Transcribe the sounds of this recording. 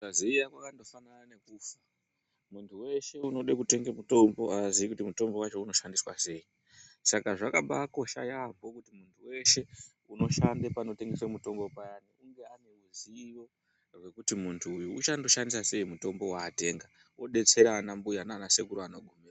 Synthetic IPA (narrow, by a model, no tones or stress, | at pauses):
aziijakwakando̞fananane̞kufa | muntʰuwe̞ʃe̞uno̞ɗekute̞ŋɡemuto̞mbo̞aziikutimuto̞mbo̞wat͡ʃo̞uno̞ʃandiswa̰se̞ji | sakaʐakaɓaːko̞ʃa̰jamo̞kutimuntʰuwe̞ʃe̞ | uno̞ʃandepano̞te̞ŋɡe̞semuto̞mbo̞pajaniuŋɡe̞ane̞uziʋo̞ | rwe̞kutimuntʰuːjuut͡ʃando̞ʃandisase̞imuto̞mbo̞waːte̞ːŋɡa | oɗe̞t͡se̞ɾaːnambujanaːnase̞kuɾuano̞ɡʱumira